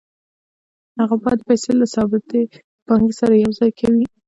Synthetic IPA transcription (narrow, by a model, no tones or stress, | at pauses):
haɣabɑjatd̪ːəpajselasɑbɪt̪e | b̥ɑŋɡsaɾajawzɑjkʰawi